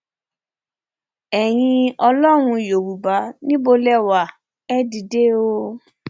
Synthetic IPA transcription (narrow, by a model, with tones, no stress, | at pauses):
ɛ˨j̃ĩ˧ɔ˧lɔ˦ɾ̃ũ˧jo˨ɾu˨ba˨˦nĩ˦bo˧lɛ˦˨wa˨ | ɛ˦di˨de˦o˦